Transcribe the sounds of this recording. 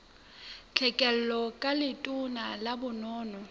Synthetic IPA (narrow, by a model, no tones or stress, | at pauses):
t͡ɬʰɛkʼɛl̩lɔkʼalɪtʼʊnalabʊnɔːnɔ